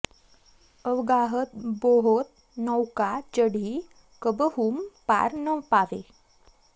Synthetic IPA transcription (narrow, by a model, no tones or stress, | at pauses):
əwɡaɦət̪̚boɦot̪̚ | nəwkad͡ʒəɽi | kəbəɦumpa̰ɾnəpaʋe